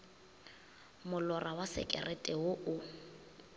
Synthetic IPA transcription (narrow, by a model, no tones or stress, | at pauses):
mʊlɔrʔawasɛ̰kʼɛ̰rʔɛtʼɛɦʊʔʊ